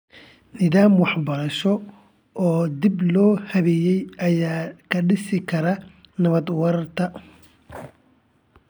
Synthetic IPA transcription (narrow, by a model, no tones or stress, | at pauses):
nɪðaːmwɑħbɐɾɐʃɔ | ɔːd̪ɪblɔːhɐβɛjɛjɐjaːkʰɐɖɪsɪkʰɐɾɐ | nɐβɐd̪wɐɾɐrt̪ʰɐ